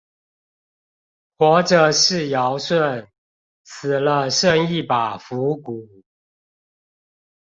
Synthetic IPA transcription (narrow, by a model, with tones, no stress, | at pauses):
xwɔ˧˥ʈ͡ʂə˨˩ʂɻ̩˥˨jɑ˨˦ʊswə˥˨n | t͡s̩ʰ˨˩lə˦ʂə˥˧ŋi˥˩˨pa˨˩fu˨˦ku˨˩˦